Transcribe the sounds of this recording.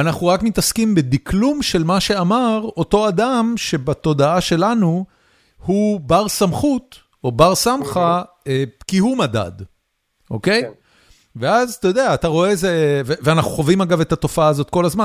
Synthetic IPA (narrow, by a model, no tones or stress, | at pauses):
anaχnuʁakmit̪askimbed̪iklumʃe̞lmaʃe̞amaʁo̞to̞ad̪amʃe̞bat̪o̞daaʃe̞lanu | hubaʁsamχut | o̞baʁsamχa | ekihumada̰d | ʔo̞ke̞j | ve̞azat̪ajod̪eaːtaʁo̞eːzeveveanaχuχovimaɡave̞tat̪o̞faaːzo̞t̪̚ko̞lazma